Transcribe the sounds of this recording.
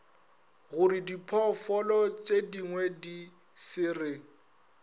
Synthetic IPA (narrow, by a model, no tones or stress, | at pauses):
ɣʊɾɪdipʰɔfɔlɔt͡ʃʼediŋwɛdi | sɪːrɪ